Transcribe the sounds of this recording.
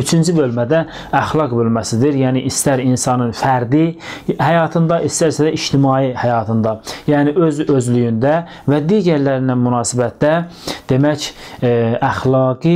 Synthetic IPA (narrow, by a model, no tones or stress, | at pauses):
yt͡ʃʰynd͡ʒʰibølmæd̪æ | æχlˠɑɡbølmæsid̪iɾjæːniʔist̪æɾinsɑnɯnfæɾd̪ihæjɑːt̪ʰɯnd̪ɑʔist̪æɾsæd̪æiʃt̪ʰimɑːihæjɑːt̪ʰɯnd̪ɑjæːniʔøzøzlyjynd̪æ | væd̪iːɟæɾlæɾinænmunɑːsibæt̪̚d̪æd̪̥emæc | æχlˠɑːɡi